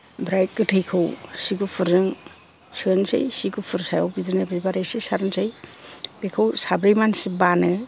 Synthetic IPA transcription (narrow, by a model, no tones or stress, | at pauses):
bɾajt̚kɯtʰɯjkʰɯwsiɡupʰɯɾɯŋ | sʰɯnsɯ̰jsiɡupʰɯɾsajawbidɯɾnabɾibaɾejsesaɾɯnsʰɯjbekʰɯwsabɾijmansibanɯ